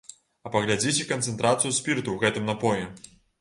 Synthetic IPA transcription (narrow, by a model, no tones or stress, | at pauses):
ɐpɐɣlʲad͡zʲit͡sʲɛkɐnt̪sɛnt̪ɾat̪sɨjusʲpʲirt̪uwɣɛt̪ɨmnapɔjɛ